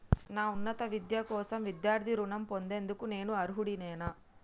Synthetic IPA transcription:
naːunːɐt̪ɐʋid̪jɐkɔːsɐmʋid̪jaːɾd̪ʱiɾuɳɐmpo̞nd̪e̞ːnd̪ukune̞ːnuɐɾuɦuɽinɛːnɐ

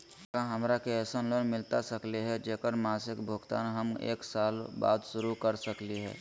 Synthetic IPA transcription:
kãɦəmɾakeɛːsənlonmɪlt̪asəkliɦɛd͡ʒeːkəɾmaːsɪkbʱʊɡt̪a̰ːnɦəmḛːksaːlba̰ːd̪ʃʊɾukəɾsəkliɦɛ̰ː

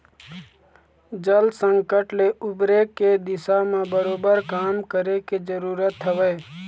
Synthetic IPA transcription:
d͡ʒəlsə̃ŋkəʈleʔʊbɾeked̪ɪsamẽbəɾoːbəɾkaːmkəɾeked͡ʒəɾuːɾət̪ɦəʋəː

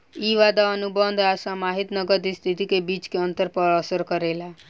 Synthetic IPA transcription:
iʋad̪aənubənd̪ʱasãmaɦit̪nʌɡəd̪ist̪ʰit̪ikebit͡ʃkeʌnt̪əɾpəɾəsəɾkəɾela

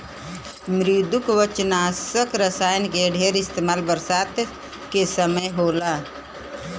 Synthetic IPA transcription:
mɾid̪ʊkʋət͡ʃnaːsəkɾəsaːjənkeɖʱeːɾɪst̪eːmaːlbəɾsaːt̪ | kesəməjɦoːlaː

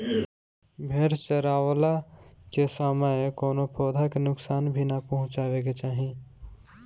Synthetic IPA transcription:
bʱeːɾt͡ʃəɾaːwlakesaːmajkoːnopʰɔːd̪ʱakenʊksaːnbʱinapəɦʊ̃t͡ʃaːweɡet͡ʃaːɦĩ

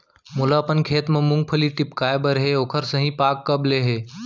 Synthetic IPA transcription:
mulaːpənkʰeːt̪mẽmʊ̃ŋɡ̚pʰəliʈɪpkaːebəɾɦeoːkʰəɾsəɦĩpaːkːəbleɦeː

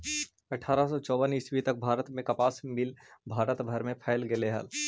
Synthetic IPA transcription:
ɐʈʰaːɾasɔt͡ʃɔːbəniswit̪ɐk̚bʱaːɾət̪mẽkɐpaːsmɪlbʱaːɾət̪bʱɐɾmẽpʰɛːlɡeleɦə̰l

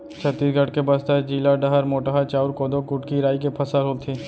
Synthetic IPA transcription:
t͡ʃʰət̪ːiːsɡʱɐʈkebɐst̪ad͡ʒiːlaɖɐɦəɾmoːʈəɦat͡ʃaːʊɾkoːd̪okʊʈkiɾaːikepʰɐsəɾɦoːt̪ʰiː

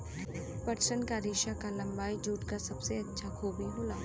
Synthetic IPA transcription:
pɐɾt͡ʃənkaɾɪːʃakalɐ̃mbaːid͡ʒuːʈkasɐbseɐtːʃʰakʰuːbiɦoːlaː

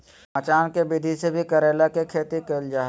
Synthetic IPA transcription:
ət͡ʃaːnkebɪd̪ʱisebʱikɐɾeːlakekʰeːt̪ikeld͡ʒaːɦ

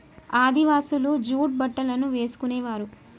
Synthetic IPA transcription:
aːd̪iʋaːsulud͡ʒuːʈ̚bɐʈːɐlɐnuʋe̞ːsu̥kuneːʋaːɾu

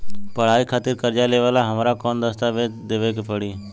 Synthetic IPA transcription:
pəɽ̤aːikʰaːt̪ɪɾkəɾd͡ʒaleʋaːlaɦəmːɾakɔːnd̪əst̪aːʋed̪eːʋekepəɽiː

